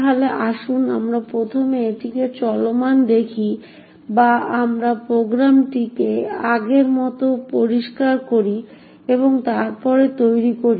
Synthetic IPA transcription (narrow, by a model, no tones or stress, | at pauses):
ɦaleʔaʃunamɾapɾot̪ʰomeeʈiket͡ɕɔlomand̪ekʰi | baamɾapɾoɡɾamʈikeaɡeɾmɔt̪opoɾiʃkaɾkoɾi | eboŋt̪aɾpɔɾet̪ojɾikoɾi